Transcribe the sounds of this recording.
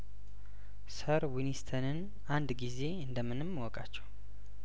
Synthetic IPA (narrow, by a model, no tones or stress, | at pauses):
səɾwinist̪ʰənɨn | and̪ɡize̞ɨnd̪əmːɨnɨmːwɔkʼat͡ʃːɛw